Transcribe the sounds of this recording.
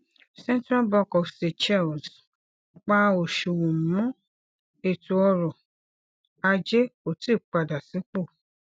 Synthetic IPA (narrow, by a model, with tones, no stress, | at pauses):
sɛ̃˦n˦tɾa˦bɔ˧kɔ˨fse˨t͡ʃɛ˦˨ls | k͡pa˦o˨ʃu˨wũ˨mɔ̃˦ | e˦˨tu˧ɔ˧ɾɔ˨ | a˧d͡ʒe˦o˦˨ti˦˨k͡pa˧da˨sĩ˨˦k͡po˦˨